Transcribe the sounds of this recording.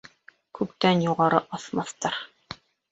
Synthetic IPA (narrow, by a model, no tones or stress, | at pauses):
kʉpt̪ænjuʁɑɾɤʔɑθmɑθt̪ɑɾ